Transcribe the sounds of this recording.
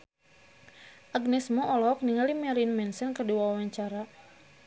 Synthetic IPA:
ʔaɡnɛsmɔʔɔlɔk̚niŋalimɛlinmɛnsɛnkərdiwawawaɲt͡ʃaɾa

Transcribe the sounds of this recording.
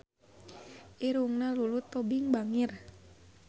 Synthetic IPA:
ʔiɾuŋnalulut̪ːɔbiŋbaŋir

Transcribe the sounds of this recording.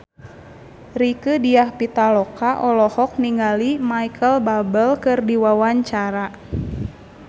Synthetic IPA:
rikɨdiahpit̪alɔkaʔɔlɔhɔk̚niŋalimaikʰəlbabəlkɨrdiwawaɲt͡ʃaɾa

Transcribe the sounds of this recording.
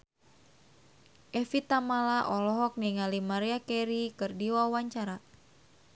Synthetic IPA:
ʔɛfit̪amalaʔɔlɔɦɔk̚niŋalimaɾiakɛɾikɨrdiwawaɲt͡ʃaɾa

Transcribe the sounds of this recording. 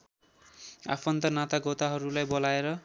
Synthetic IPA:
a̰pʰʌnt̪ʌnat̪aɡʌt̪aɦʌɾulajbolaeɾʌ

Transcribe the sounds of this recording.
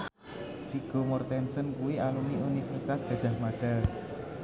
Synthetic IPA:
fiɡ̥omɔrt̪ɛnsənkuwialuniunifɛrsit̪asɡ̥a̤d͡ʒ̥a̤hmaɖ̥al

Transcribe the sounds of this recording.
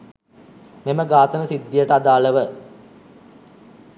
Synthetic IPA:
meməɡaːt̪ənəsid̪ːijəʈəad̪aːləʋə

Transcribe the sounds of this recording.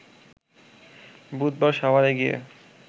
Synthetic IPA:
bud̪̚baɾʃabaɾeɡiḛ

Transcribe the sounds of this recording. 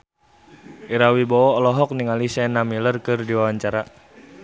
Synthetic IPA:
ʔiɾawibɔɔːlɔɦɔk̚niŋalisɛnamilərkɨrdiwawaɲt͡ʃaɾa

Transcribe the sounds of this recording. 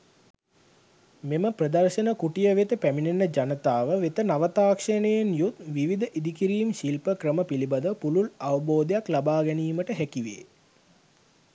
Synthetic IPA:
meməprəd̪ɐrʃənəkuʈijəʋet̪əpæminenːəd͡ʒanət̪aːʋəʋet̪ənaʋət̪aːkʂənəjenjut̪ʋiʋid̪əʔid̪ikiɾiːmʃilpəkɾəməpilibad̪əpululaʋɐboːd̪ejaklabaːɡɛniːməʈəɦækiʋḛː

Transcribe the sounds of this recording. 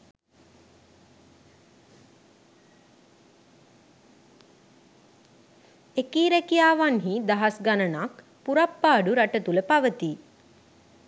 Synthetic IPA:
ekiːɾɛkijaːʋanɦid̪aɦasɡanənak | puɾapːaːɖuɾaʈət̪uləpaʋət̪i

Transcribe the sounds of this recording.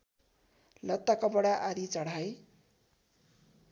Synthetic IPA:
lʌt̪ːakʌbʌɽaʔaɾit͡sʌɽaj

